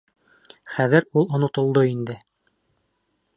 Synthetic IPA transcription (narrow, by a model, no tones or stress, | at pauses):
χæðɘɾulˠŏnŏt̪ŏlˠd̪oind̪ɘ